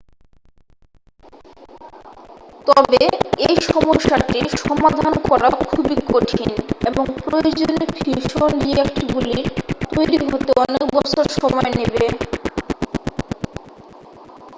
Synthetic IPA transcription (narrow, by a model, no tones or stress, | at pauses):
t̪ɔbeejʃɔmoʃːaʈiʃɔmad̪ʱankɔɾakʰubikoʈʰineboŋpɾojod͡ʑonefʰiʃonɾiekʈibulit̪ojɾiɦot̪eɔnek̚bɔt͡ɕʰoɾʃɔmɔenebe